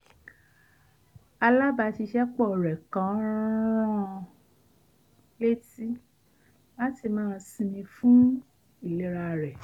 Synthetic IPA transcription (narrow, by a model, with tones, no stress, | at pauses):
a˧la˦ba˧ti˧ʃɛ˦k͡pɔ˦˨ɾɛ˨kã˨˦ɾɾ̃ɔ̃˦˧ | le˦ti˦ | la˦ti˧˨mãː˦˧sĩ˧mĩ˧fũ˦ | i˨le˦ɾa˧˨ɾɛ˨